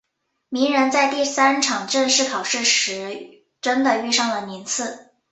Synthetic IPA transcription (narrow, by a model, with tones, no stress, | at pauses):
mi˧˥ŋɻə˧˥nt͡sa˥˧ɪt̪i˥˩sa˥nʈ͡ʂʰɑ˨˩ŋʈ͡ʂə˥˧nʂɻ̩˥˩kʰɑ˨˩ʊʂɻ̩˥˩ʂɻ̩˧˥ | ʈ͡ʂə˥nd̪ə˨y˥˧ʂɑ˥˩ŋlə˩mi˧˥nt͡sʰɹ̩˥˩